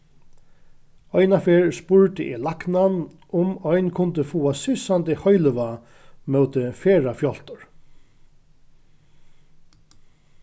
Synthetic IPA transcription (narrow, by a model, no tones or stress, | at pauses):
ɔjnafeːɹspʊɹt̪ɪʔɛ̰laknan | ʊmɔjnkʰʊnt̪ɪfuːasɪsant̪ɪhɔjlʋa | mœwt̪ɪfeːɹafjɔl̥t̪ʊɹ